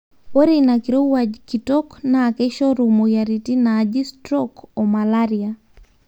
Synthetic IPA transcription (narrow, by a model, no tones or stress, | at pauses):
oɾinakiɾowad͡ʒkitɔknaːkɛʃɔɾomojaɾitinaːd͡ʒistɾɔkɔmalaɾia